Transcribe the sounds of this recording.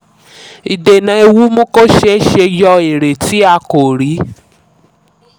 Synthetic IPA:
i˨de˨nã˧˦e˧wu˦mõ˦ko˦ʃe˦ʃe˧jɔ˧e˨ɾe˨ti˨˦a˧ko˨ɾi˨˦

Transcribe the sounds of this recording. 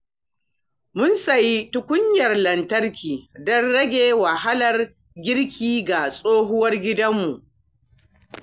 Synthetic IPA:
mʊ˦nsɐ˨ji˦tʊ˦kʷʊ˦ɲjɐ˨rlɐ˨ntɐ˦rkʲʰiː˨dɔ˦nɽɐ˦ɡʲeː˨wa˨ha˦lɐ˨r | ɡʲɪ˦ɽkʲiː˦ɡa˨sʼoː˦ɦʊ˦wɐ˦rɡʲɪ˦dɐ˦mːu˨ʔ

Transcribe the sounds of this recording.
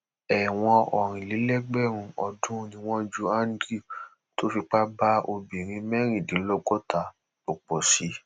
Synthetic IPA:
ɛ˨w̃ɔ̃˧ɔ˨ɾ̃ĩ˨li˨˦lɛ˦ɡ͡bɛ˦˨ɾ̃ũ˧ɔ˧dũ˦ũ˦nĩ˧w̃ɔ̃˦d͡ʒu˦a˦n˦dɾi˦˨k | to˦fi˧k͡pa˦ba˦o˧bi˨ɾ̃ĩ˧mɛ˦ɾ̃ĩ˦˨dĩ˨˦lɔ˦˧ɡɔ˦ta˦˨ | o˨k͡pɔ˨si˨˦

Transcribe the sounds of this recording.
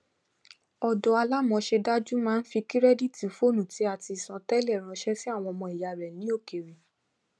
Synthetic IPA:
ɔ˨dɔ˧a˧la˦mɔ̃˧ʃe˧da˦d͡ʒu˦mãː˦n̩˦fi˧ki˦ɾɛ˦di˦˨ti˨fo˦˨nũ˨ti˨˦a˦˨ti˧i˨sã˧tɛ˦lɛ˦˨ɾ̃ã˧ʃɛ˦si˦a˦˨w̃ɔ̃˧ɔ˧mɔ̃˧i˨ja˧˨ɾɛ˨nĩ˨˦o˦˨ke˨ɾe˨

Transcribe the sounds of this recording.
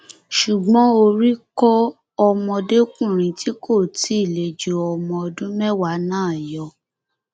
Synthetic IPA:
ʃu˨ɡ͡bɔ̃˨˦o˧ɾi˦kɔ˦ | ɔ˧mɔ̃˧de˦kũ˦˨ɾ̃ĩ˧ti˨˦ko˦˨ti˨˦i˦˨le˨d͡ʒo˨ɔ˧mɔ̃˧ɔ˧dũ˦mɛ˦wa˨˦nãː˦˨jɔ˧

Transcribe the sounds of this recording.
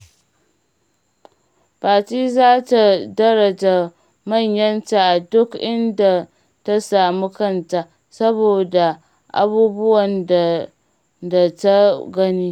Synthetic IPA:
baː˨tiː˦zaː˦ta˨dɐ˦ɾɐ˨d͡ʒa˨ | mɐ˦˨ɲjɐ˦nta˨ʔa˨dʊ˦kʔɪ˦nda˨ | ta˦saː˨mu˦kɐ˦˨nta˨ | sɐ˦boː˨da˨ | ʔa̰˦buː˦bʊ˦wɐ˨n | da˨ta˦ɡɐ˦niː˦

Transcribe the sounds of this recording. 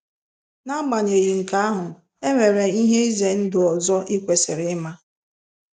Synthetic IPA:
na˦ɡ͡ba˨ɲe˨ɣi˨ŋ̩˨ka˦a˦ɦʊ˨ | e˦ŋʷe˨ɾe˨i˦ɦe˦i˦ze˨n̩˦dʊ˨ɔ˨zɔ˦ʔi˦kʷe˨sɪ˨ɾɪ˨˦ma˦

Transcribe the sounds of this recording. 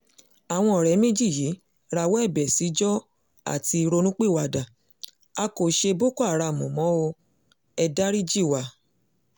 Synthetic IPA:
a˨w̃ɔ̃˧ɔ˨ɾɛ˨˦mẽ˦d͡ʒi˦˨ji˨˦ | ɾa˧wɔ˦ɛ˦˨bɛ˨si˨˦d͡ʒɔ˦ | a̰˦˨ti˧ɾo˧nũ˦k͡pe˦˨wa˨dã˨ | a˧ko˨ʃe˧bo˦ko˦a˨ɾa˧˨mũ˨mɔ̃˨˦o˧ | ɛ˧da˦ɾi˦d͡ʒi˦˨wa˨

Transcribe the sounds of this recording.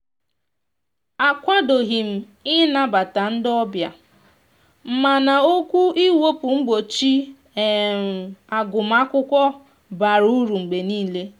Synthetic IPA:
a˨kʷa˦do˨ɣi˨m̩˨ | ɪ˦na˦ba˨ta˨n̩˦dɔ˦bja̰˨ | m̩˨ma˨na˨o˦kʷu˦i˦wo˦pʊ˨ŋ͡m̩˦ɡ͡bo˨t͡ʃi˦˨ | a˨ɡʊ˨m̩˦a˦kʷʊ˦kʷɔ˦ | ba˨ɾu˦ɾu˨ŋ͡m̩˨ɡ͡be˨niː˦le˦

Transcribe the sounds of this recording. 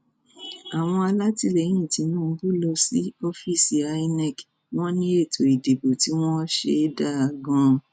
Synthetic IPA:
a˨w̃ɔ̃˧a˧la˦ti˧lɛ˨˦j̃ĩ˦˨ti˧˦nũ˦˧˦bu˦lɔ˧si˦ɔ˦fi˦˨si˨a˧i˧nɛ˦˨k | w̃ɔ̃˦nĩ˦e˦˨tʰo˨i˨de˨bo˨ti˦w̃ɔ̃˦ʃe˧˦da˦a˧˨ɡɔ̃˧

